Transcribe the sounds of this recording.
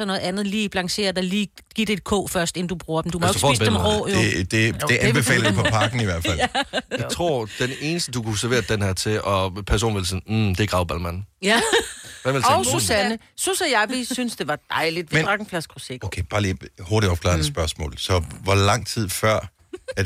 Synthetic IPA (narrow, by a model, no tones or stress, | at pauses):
sɒnɔ̽ːð̩ˠænð̞̩ˠliːb̥lɑ̈ŋse̝̰ːɐd̥ɑ̈ɪliːɡ̥id̥ed̥̚kʰɔ̰ːfɶɐsd̥e̝n̩d̥ub̥ʁuːɐd̥emd̥umsfɒ̰ḭsbd̥mʁʁɔ̰ːjed̥e̝̥e̝ʔæb̥e̝fɛ̰ːlɐ̥epʰɒ̽pʰɑ̈ɡ̥n̩iʋæɐ̰d̥æljat͡sʰʁo̝ɐ̰d̥ene̝ːnəsd̥əd̥ukʰusɛɐʋe̝̰ːɐd̥enhɛɐ̰t͡sʰe̝ʔɒ̽pʰæɐs̬o̰ːnʋelsim̩d̥eɡ̥ɑ̈ʊbælmæn | ʋæʋelɒsusænə | susɛjɑʋisynsd̥e̝ʋɑ̈d̥ɑ̈ɪlid̥ʋed̥ʁɑ̈ɡ̥n̩flæsɡ̥ʰuseɡokʰeb̥ɑ̈ːliːhoɐɾiɒb̥kʰlɑ̰̈ɐdsb̥ɶɐsmɔ̰ːlsɒ̽ʋɒlɑ̈ŋ̰t͡sʰið̰ˠfɶɐ̰ | æ